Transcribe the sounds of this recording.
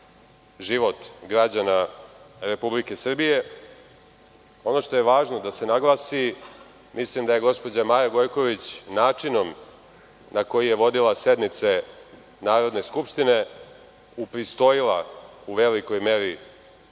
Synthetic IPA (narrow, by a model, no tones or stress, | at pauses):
ʒiʋo̞t̪ɡɾad͡ʑanaɾe̞publike̞sr̩bije̞ | o̞no̞ʂt̪o̞je̞ʋaːʒno̞d̪ase̞naɡlˠasi | mislimd̪aje̞ɡo̞spo̞d͡ʑamaːjaɡo̞jko̞ʋit͡ɕnaːt͡ʂino̞m | nako̞jije̞ʋo̞d̪ilˠase̞d̪nit̪se | naːɾo̞d̪ne̞skupʃt̪ine | upɾist̪o̞jilˠauʋe̞liko̞jme̞ɾi